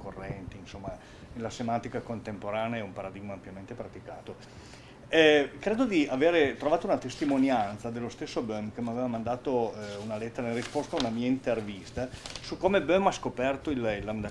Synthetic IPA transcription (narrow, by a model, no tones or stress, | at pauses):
korːɛnt̪iːnsomːa | lasemant̪ikakont̪empoɾaːneɛumpaɾad̪iɡmaːmpjament̪epɾat̪ika̰ːt̪o | ɛkɾeːd̪od̪iaveːɾet̪ɾovaːt̪ounat̪est̪imonjant̪sad̪elːost̪esːobømkemaveːvamand̪aːt̪ounalet̪ːeɾanerispost̪aunamiːaint̪ervist̪asukːoːmebømaskopɛrt̪oililːamd̪a